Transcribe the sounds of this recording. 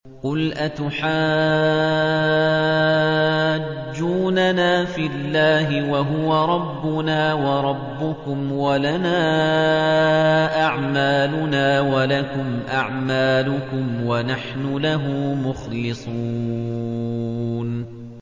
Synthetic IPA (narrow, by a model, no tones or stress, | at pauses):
qʊlʔat̪ʊħaː | d͡ʒːuːnanaːfilːaːɦɪwaɦʊwaɾˤɑbːʊnaːwɑɾˤɑbːʊkʊmwalanaː | ʔaʕmaːlʊnaːwalakʊmʔaʕmaːlʊkʊmwanaħnʊlaɦʊːmʊxlɪsˤu | n